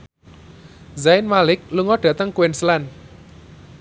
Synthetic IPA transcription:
zaɪnmalɪk̚luŋɔɖ̥ä̤t̪əŋkuwenslan

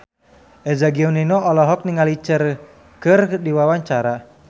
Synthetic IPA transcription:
ʔɛd͡ʒaɡiɔninɔɔlɔɦɔk̚niŋalit͡ʃər | kɨrdiwawaɲt͡ʃaɾa

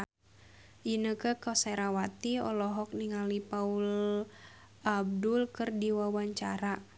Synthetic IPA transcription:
ʔinəkəkɔsɛɾawat̪iɔ̰lɔɦɔk̚niŋalipaul | ab̚dulkɨrdiwawaɲt͡ʃa̰ɾa

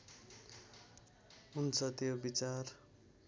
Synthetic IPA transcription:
ɦunt͡sʰʌt̪jobit͡sar

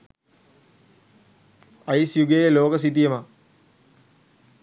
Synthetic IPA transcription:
ɐjsjuɡejeloːkəs̬it̪ijəma

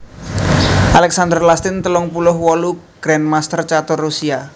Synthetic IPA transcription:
ʔalɛksand̪ərlast̪ɪnt̪əlʊŋpulʊhwɔluɡ̥ɾɛnmast̪ərt͡ʃat̪ʊrːusia

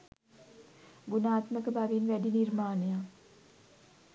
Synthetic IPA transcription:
ɡunaːt̪məkəbaʋinʋæɖiniɾmaːneja

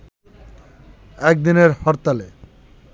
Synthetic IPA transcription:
ɛk̚d̪ineɾhɔɾt̪ale

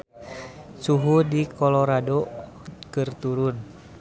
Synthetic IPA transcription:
suɦudikɔlɔɾado | kɨrt̪uɾun

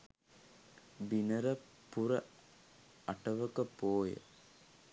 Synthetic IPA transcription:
binɐɾɐ | pːuɾɐ | ɐʈɐʋəkəpoːjə̰

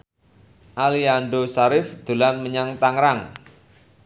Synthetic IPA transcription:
ʔalianɖosaɾɪfd̪̥ṳlanməɲaŋt̪aŋɾaŋ

